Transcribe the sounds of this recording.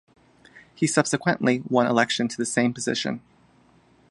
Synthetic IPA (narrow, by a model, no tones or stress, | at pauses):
hisʌb̥sɨkʰwɨ̃nʔliwʌ̃nə̰lɛkʃɨ̃ntʰɨðɨsẽɪ̃mpɨzɪ̰ʃɨ̰̃n